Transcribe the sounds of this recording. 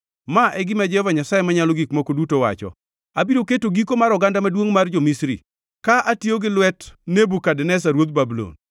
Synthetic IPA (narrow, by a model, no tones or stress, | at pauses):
maʔɛɡɪmad͡ʒɛɔvaɲasajemaɲalɔɡikmokodutowa̰t͡ʃɔ̰ | abiɾoketoɡikomaɾɔɡandamadwoŋmard͡ʒomisɾḭ | kaʔatjoɡɪlwɛtnebukadɛnɛs̬aɾwot̪̚babulo̰n